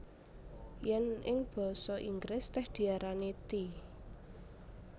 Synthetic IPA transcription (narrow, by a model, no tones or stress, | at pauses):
jɛnɪŋb̥ɔ̤sɔʔiŋɡɾɪst̪ɛhd̪̥i̤aɾanit̪i